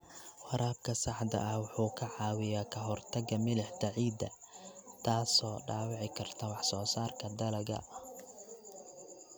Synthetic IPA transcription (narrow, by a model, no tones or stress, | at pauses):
wɑɾaːb̚kʰɐsɑħd̪ɐ̰ʔɐhwʊħuːkʰɐʕɑːwɪjaːkʰɐɦɔrt̪ʰɐɡɐmɪlɪħd̪ɐʕiːd̪ɐ̰ | t̪ʰaːsɔːɖaːwɑʕɪkʰɐrt̪ʰɐwɑħsɔːsaːrkʰɐd̪ɐlɐɣɐ̰ɐ